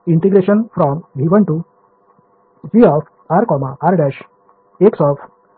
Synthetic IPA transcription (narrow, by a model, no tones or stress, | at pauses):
iɳʈiɡɾeɕənfɾɔmbʱiʋəɳʈu | d͡ʑiɔf | aɾkɔmaʔaɾɖɛɕ | eksɔf